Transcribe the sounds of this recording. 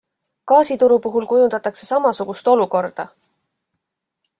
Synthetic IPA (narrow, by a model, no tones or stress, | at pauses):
kɑːsit̪uɾupuɦulkujund̪̥ɑt̪ːɑkse̞sɑmɑsuɡ̥ust̪o̞luko̞rd̪̥ɑ